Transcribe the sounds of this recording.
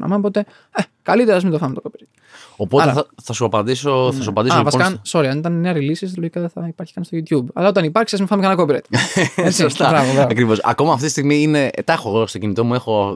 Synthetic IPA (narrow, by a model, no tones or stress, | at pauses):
nɐ̰mɐpot̪e̞ | ekɐlit̪eɾɐɐzmit̪ofɐmet̪okopeɾet̪ | opo̞t̪eɐθɐsuɐpɐnd̪isoɐs̬uɐpɐnd̪isoiɐsonkɐnso̞ɾiɐnit̪ɐnneɐɾilisist̪ɐloʝikɐðeθɐipɐɾçi̥kɐnist̪oʝut̪jubɐ̰lɐot̪ɐnipɐɾksiɐzmifɐmkenɐkopiɾet̪esiost̪ɐɾɐvovɾɐɐkɾivo̞sɐ̰ko̞mɐːft̪it̪ist̪iɣmiine̞t̪ɐxoɣost̪o̞cinit̪o̞mue̞xo̞